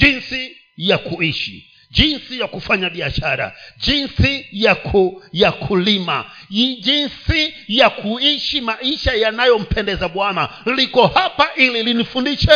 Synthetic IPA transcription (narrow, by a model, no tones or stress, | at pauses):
d͡ʒinsi | jakuiʃḭ | d͡ʒinsijakufaɲaɓiaʃaɾa̰ʄinsijakʰujakʰulima̰ | ʄinsijakʰuiʃimaiʃajanajɔm̩pʰɛndɛzaɓwanalikɔhapaʔililinifundiʃɛ